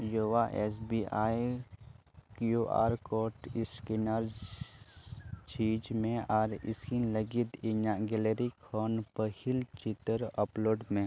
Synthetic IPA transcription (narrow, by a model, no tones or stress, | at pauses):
joːʋaʔeːsbiːaːj | kjuːʔa̰ːɾkoːʈɪskinaɾ | t͡ʃiːd͡ʒmẽaːɾɪ̰skinləɡit̪ɪɲaɡeleɾikʰoːnpəhɪlt͡ʃɪt̪əɾəploːɖmẽ